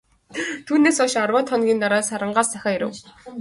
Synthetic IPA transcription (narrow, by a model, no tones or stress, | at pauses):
t̪ʰuːneːsɔʃarwɔːt̪χɔnɡʲiːnt̪aɾaːsaɾə̆ɴɢaːsæxʲaːjiɾɘ̰̆w